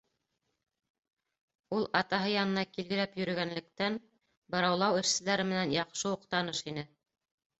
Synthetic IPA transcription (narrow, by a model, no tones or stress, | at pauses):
ulˠɑt̪ɑɦɤjɑnɤ̆nɑkilɡɘ̆læpjɵ̆ɾɘ̆ɡænlɘ̆k̚t̪æn | bɤ̆ɾɑwlˠɑwɘ̆ʃsɘ̆læɾɘmɘ̆nænjɑqʃɤuqt̪ɑnɤʃinɘ